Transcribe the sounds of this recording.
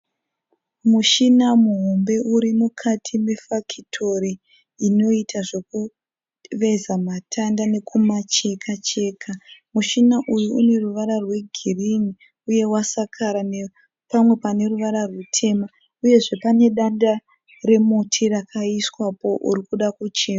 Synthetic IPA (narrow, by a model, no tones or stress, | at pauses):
muʃinamuɦombe̞ʔuɾimukʰatʰimifakʰitʰo̞riː | no̞itʰaʐe̞ku | ʋe̞zamatʰandane̞kʰumat͡ʃe̞kʰat͡ʃe̞ːkʰamuʃinaʔujuune̞ruʋaɾarwe̞ɡʱirini | uje̞wasakʰaɾane | pamwe̞pane̞ruʋaɾarwutʰe̞ma | uje̞ʐe̞pane̞ɗanda | re̞mutʰirakʰaiswapo̞ʔṵɾikuɗakut͡ʃe̞ːma